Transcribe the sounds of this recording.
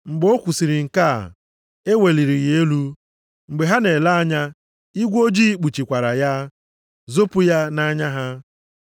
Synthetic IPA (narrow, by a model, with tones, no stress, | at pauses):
ŋ͡m̩˨ɡ͡bo˦kʷu˨si˨ɾi˨ŋ̩˨ka̰˦˨ | e˦we˨li˨ɾi˨ɣe˦lu˦ | ŋ͡m̩˨ɡ͡be˨ɦa˦ne˨la˦a˦ɲa˦ | i˦ɡʷo˦d͡ʒi˦k͡pu˨t͡ʃi˨kʷa˨ɾa˨ja˦ | zo˦pʊ˦ja˦na˦ɲa˦ɦa˦